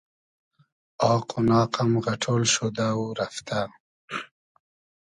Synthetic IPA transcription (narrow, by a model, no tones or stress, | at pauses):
ɑːqunɑːqamɣɐʈʰolʃod̪auɾaft̪a